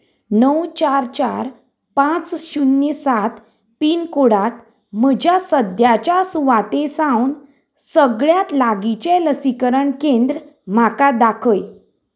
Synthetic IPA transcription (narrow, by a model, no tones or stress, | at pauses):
nəwt͡ɕaɾt͡ɕaɾ | pãt͡sɕunːesat̪ | piːnkoɽat̪ | m̤əd͡ʑjasəd̪jat͡ɕasuʋat̪esãwn | səɡɭjat̪laɡit͡ɕeləsikəɾəɳkẽnd̪ɾ | m̤akad̪akʰəj